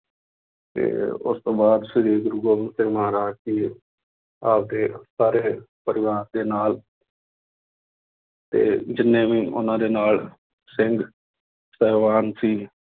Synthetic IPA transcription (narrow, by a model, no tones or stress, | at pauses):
t̪ḛːʊ̰st̪oːbaːd̪sideːɡʊɾuɡoːmənsẽːmɦaːɾaːd͡ʒkiː | aːpd̪eːsaːɾeː | pəɾɪʋaːɾd̪eːnaːl | t̪ḛːd͡ʒɪnːẽːʋĩːʔʊ̰nãːd̪eːnaːl | sɪŋɡ | sɛːʋaːnsiː